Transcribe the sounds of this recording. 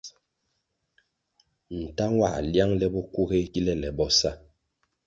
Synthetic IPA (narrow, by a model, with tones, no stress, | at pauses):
n̩˨ta˦ŋwa̰˦˨lja˦ŋlɛ˦bɔ˦ku˦ɣe˦ki˦lɛ˦lɛ˨bɔ˦sa˦